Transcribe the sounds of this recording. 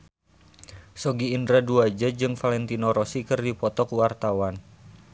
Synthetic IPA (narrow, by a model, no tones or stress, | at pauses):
sɔɡiːndɾaduad͡ʒad͡ʒɨŋfalɛnt̪inoɾɔsikɨrdipɔt̪ɔkuwart̪awan